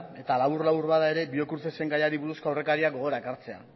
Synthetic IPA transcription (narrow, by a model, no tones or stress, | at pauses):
e̞t̪alaβurlawuɾβaðae̞ɾe̞bio̞kuɾt̪e̞se̞ŋɡajaɾiβuɾusko̞awre̞kaɾiaɡo̞ɣ̞o̞ɾaekaɾt͡se̞a̰